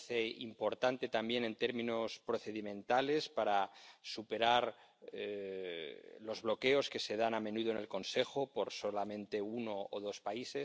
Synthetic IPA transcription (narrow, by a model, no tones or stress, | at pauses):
θeḭmpo̞ɾt̪ant̪e̞t̪ambje̞ne̞nt̪eɾmĩno̞spɾo̞θe̞ðimẽ̞nt̪ale̞spaɾasupe̞ɾaɾ | lo̞zβlo̞ke̞oske̞se̞ð̞anamẽ̞nuðoene̞lko̞nse̞xo̞poɾsolamẽ̞nt̪e̞uno̞ːð̞o̞spaise